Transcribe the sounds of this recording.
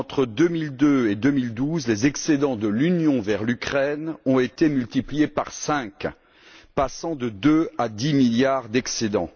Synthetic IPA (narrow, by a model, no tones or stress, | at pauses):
ɑ̃t̪χəd̪ømild̪øed̪ømild̪uzlezɛksed̪ɑ̃d̪əlynjɔ̃vɛʁlykχɛnɔ̃et̪emylt̪iplijepaʁsɛ̃k | pasɑ̃d̪əd̪øad̪imiljaʁd̪ɛksed̪ɑ̰̃